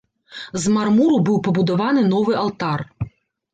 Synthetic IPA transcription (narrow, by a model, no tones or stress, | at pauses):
zmarmuɾubɨwpɐbud̪avanɨnɔvɨʔalˠt̪ar